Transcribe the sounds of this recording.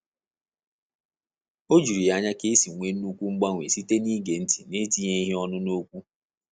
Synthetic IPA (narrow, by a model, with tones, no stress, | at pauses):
o˦d͡ʒu˨ɾi˨a˨ɲa˦ke˦si˨ŋʷe˨˦nu˦kʷu˦ŋ͡m̩˦ɡ͡ba˦ŋʷḛ˨si˦te˦ni˦ɡe˨n̩˦ti˨ne˦ti˦ɲe˦i˦ɦi˦ɔ˦nʊ˦no˦kʷu˦